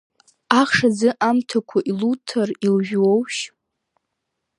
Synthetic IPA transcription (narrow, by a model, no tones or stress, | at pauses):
aχʂad͡zɨʔamtʰakʷʰaʔilutʰarilʒᶣwowʃ